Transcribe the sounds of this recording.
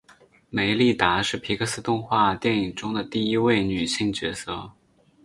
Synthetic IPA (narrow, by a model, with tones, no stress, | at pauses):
me˨˧˩ɪli˥˩t̪a˧˥ʂɻ̩˥˩pʰi˧˥kɤ˧sɹ̩˥t̪ʊ˥˧ŋxwa˥˧t̪jɛ˥˩ni˨˩ŋʈ͡ʂʊ˥ŋd̪ə˨t̪i˥˧i˥we˥˩ɪny˨˩ɕi˥˧ŋt͡ɕɥɛ˧˥sɤ˥˩